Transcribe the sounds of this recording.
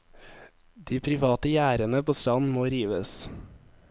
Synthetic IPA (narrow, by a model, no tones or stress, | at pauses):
d̪iːpʰɾɪʋɑːt̪əjæːɾənəpʰoːst̪ɑnmoːɾiːʋəs